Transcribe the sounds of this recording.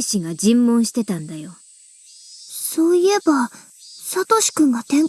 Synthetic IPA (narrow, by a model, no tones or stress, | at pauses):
ɕiɡad͡ʑĩmːõ̞ɰ̃ɕi̥t̪e̞t̪ãnd̪ajo̞ | so̞ːie̞ba | sat̪o̞ɕi̥kɯ̟̃ŋɡat̪ẽ̞ŋ